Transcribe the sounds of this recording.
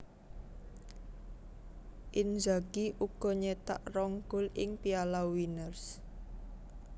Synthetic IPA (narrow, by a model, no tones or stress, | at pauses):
ʔɪnd͡ʒaɡ̥iʔuɡ̥ɔ̤ɲet̪a̰ʔrɔŋɡ̥ʊ̤lɪŋpialawinərs